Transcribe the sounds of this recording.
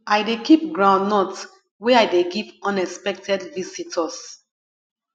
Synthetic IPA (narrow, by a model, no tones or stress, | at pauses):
ajdekip̚ɡɹãʊ̃nːɔt | wɛajdeɡivɔ̃nɛkspɛk̚tɛdvisitʰɔs